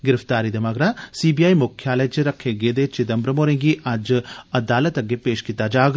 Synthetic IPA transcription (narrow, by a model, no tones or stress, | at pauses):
ɡɪɾəft̪aːɾiːd̪emɐɡɾaːsiːbiːaːimʊkʰːjaːləjt͡ʃɾɐkʰːeɡeːd̪et͡ʃɪd̪ɐmbɾəmoːɾẽːŋɡiːʔɐd͡ʒɐd̪aːlət̪ɐɡeːpeːʃkit̪ːaːd͡ʒaːɡ